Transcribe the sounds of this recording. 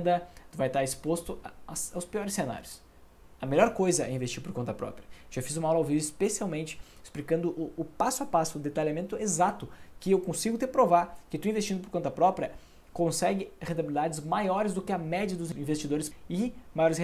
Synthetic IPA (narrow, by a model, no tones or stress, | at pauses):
d̪ɐt̪ʊvajt̪aɾɪspost̪ʊasawspiɔɾɪsːena̰ɾjʊs | ɐmeʎɔɾkojzɐɛĩvest͡ʃiɾpoɾkõnt̪ɐpɾɔ̰pɾʲiɐ̥ewʒafizũmɐɔlɐowvivispesiawmẽnt͡ʃɪ̥ɪsplikɐ̃nd̪ʊʔʊːpasʊapasʊːd̪et̪aʎʲamẽnt̪ʊezat̪ʊkɪewkõsiɡʊt̪epɾovaɾkɪt̪uĩvest͡ʃĩnd̪ʊpoɾkõnt̪ɐpɾɔpɾʲjɐ | kõsɛɡɪhẽnt̪abilid̪ad͡ʒɪzmajɔɾɪzd̪ʊkɪɐmɛd͡ʒɐd̪ʊziĩvest͡ʃid̪oɾɪsɪmajɔɾɪsẽ